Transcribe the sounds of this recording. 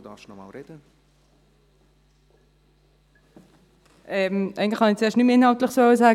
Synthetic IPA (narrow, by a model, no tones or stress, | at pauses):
dɑ̰fʃnɔmɑ̰lɾɛdə | ʔɛmæ̰ɡŋtlɪχhɑnɪt͡seːɐʃtnymɪnhɑlt̪lɪχsoəsaː